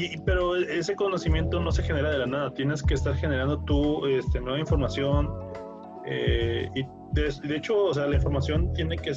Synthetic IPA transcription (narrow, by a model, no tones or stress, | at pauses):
ipe̞ɾo̞ee̞se̞ko̞no̞simje̞nt̪o̞no̞se̞xe̞ne̞ɾað̞e̞lanaðat̪je̞ne̞ske̞ːst̪aɾxe̞ne̞ɾand̪o̞t̪ue̞st̪enwe̞βaiɱfo̞ɾmasjo̞n | ei | d̪iðeet͡ʃo̞ːs̬e̞alaiɱfo̞ɾmasjo̞nt̪je̞ne̞ke